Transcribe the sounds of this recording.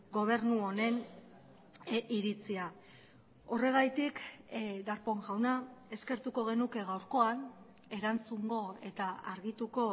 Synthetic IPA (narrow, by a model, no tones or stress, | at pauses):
ɡo̞β̞e̞ɾnuo̞ne̞n | iɾit͡sia | o̞re̞ɣ̞ajt̪ikd̪aɾpo̞ŋʝawnae̞ske̞ɾt̪uko̞ɣ̞e̞nuke̞ɣ̞awɾko̞an | e̞ɾant͡suŋɡo̞e̞t̪aaɾɣit̪uko̞